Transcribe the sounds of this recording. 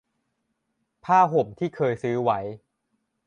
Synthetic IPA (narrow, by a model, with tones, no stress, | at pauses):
pʰaː˥˩ɦo˨˩˦mt̪ʰiː˥˩kʰɤː˧jsɯː˦˥wa˦˥j